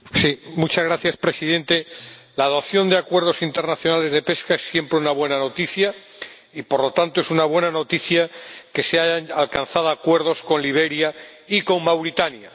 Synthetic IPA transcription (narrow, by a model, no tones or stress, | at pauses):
simut͡ʃazɣɾaθjaspɾe̞siðẽ̞nt̪e̞laðo̞θjo̞nd̪eakwe̞ɾð̞o̞sint̪e̞ɾnaθjo̞nale̞zðe̞pe̞skae̞sːje̞mpɾeunaβwe̞nano̞t̪iθja | ipoɾlo̞t̪ant̪o̞e̞sunaβ̞we̞nano̞t̪iθjake̞seaʝaŋalkanθaðoakwe̞ɾðo̞sko̞nliβ̞e̞ɾjaiko̞ŋmawɾit̪anja